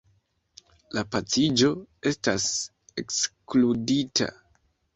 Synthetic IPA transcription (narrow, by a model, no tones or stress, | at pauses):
lapat͡sid͡ʒo̞e̞stas | e̞kskluditʰa̰